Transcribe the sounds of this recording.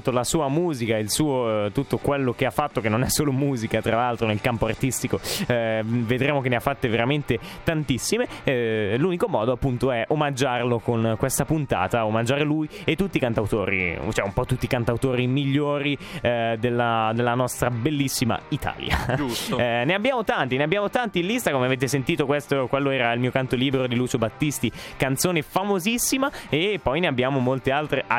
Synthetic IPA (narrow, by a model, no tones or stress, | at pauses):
t̪ːolasuːamuːzikailsuːot̪ut̪ːokwelːok̟eafːat̪ːokenːonɛsːoːlomuːzikat̪ɾalalt̪ɾonelkampoart̪ist̪iko | ved̪ɾeːmok̬enːeafːat̪ːeveɾament̪et̪ant̪isːime | lunikomɔːd̪oapːunt̪oɛʔomad͡ʒːarlokonkwest̪apunt̪a̰ːt̪aomad͡ʒaːɾeluj | et̪ːut̪ːiːkant̪awt̪o̰ːɾḭt͡ʃɛumpɔt̪ːut̪ːikant̪awt̪oːɾimiʎːoːɾid̪elːad̪elːanɔst̪ɾabelːisːima̰it̪a̰ːlja̰d͡ʒsneabːjaːmot̪ant̪ineabːjaːmot̪ant̪ilist̪akomeaveːt̪esent̪iːt̪okwest̪okwelːoɛːɾailmiːokant̪oliːbeɾod̪iluːt͡ʃobat̪ːist̪ikant̪soːnefamozisːimaepːɔjneabːjaːmomolt̪ealt̪ɾe